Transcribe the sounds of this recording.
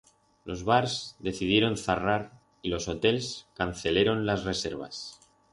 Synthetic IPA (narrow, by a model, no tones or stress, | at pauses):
lo̞zβaɾsd̪e̞θið̞jeɾo̞nθaraɾ | ilo̞so̞t̪e̞leskanθe̞le̞ɾo̞nlasre̞se̞ɾβ̞a̰s